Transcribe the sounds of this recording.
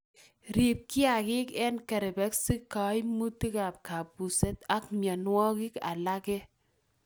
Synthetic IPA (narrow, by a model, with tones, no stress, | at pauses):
ɾi˨p̚ki˦a˨ki˦kɛ˦nkɛ˨ɾɛ˨bɛ˦ksɪ˦kːa˨jmu˦ti˦ka˨p̚ka˨pːu˨sɛ˦ta˦kmja˨nwɔ˦ki˦ka̰˨la˦kɛ˦